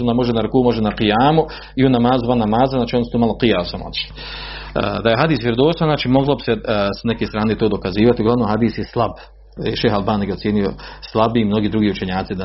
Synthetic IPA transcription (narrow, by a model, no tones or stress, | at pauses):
nd̪amo̞ʒenaɾukuːmo̞ʒenaqijaːmu | iunamaːzuvanːamaːzaznaːt͡ʃionst̪oːmaːlˠoqijaːsamo̰t̪i̥ʃlḭ | d̪aje̞ɦad̪iːsʋʲjeɾod̪oːst̪aznaːt͡ʃiːmoɡlˠobi̥sesne̞keːst̪ɾaːnet̪oːd̪o̞kaziːʋat̪iuɡlˠaʋnomhad̪iːsjeslˠab | iʃeːxalˠbaːnijeosjeːnijoslˠabimno̞ɡiːd̪ɾuɡiːut͡ʃe̞ɲaːt̪sid̪a